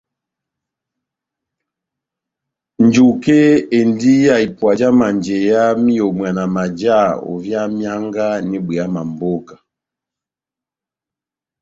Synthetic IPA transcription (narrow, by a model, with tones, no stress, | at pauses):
nd͡ʒu˨ke˦e˨ndi˦ja˦i˨pwa˨d͡ʒa˦ma˨nd͡ʒɛ˨ja˦mi˦ɔ˨mwa˨na˨ma˨d͡ʒa˦˨ɔ̰˨vja˦mja˦ŋɡa˦ni˦bwɛ˨a˦ma˨mbɔ˦ka˨